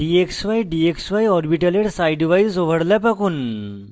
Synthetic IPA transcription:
ɖieksʋajɖieksʋajɔɾbiʈaleɽsajɖiʋaisoʋəɽlapakuːn

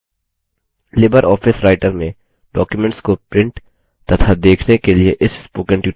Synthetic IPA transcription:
leːbəɾʔɔːfɪsɾaːɪʈəɾmẽ | ɖɔːkjumɛ̃ɳʈskopɾɪ̃ɳʈ | t̪ɐt̪ʰad̪eːkʰnekelieʔɪsspoːkə̃ɳʈjuː

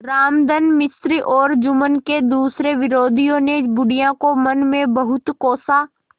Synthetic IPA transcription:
ɾaːmd̪ənmɪsɾiʔɔːɾd͡ʒʊmənked̪uːsɾeʋɪɾoːd̪ʱijõnebʊɽijãkomənmẽbɐɦʊt̪koːsaː

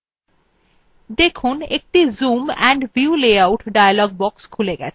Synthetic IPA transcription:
d̪ekʰunek̚ʈizumɛɳɖbjiuleawʈɖajalɔɡ̚bɔkskʰuleɡɛ̰t͡ɕʰe

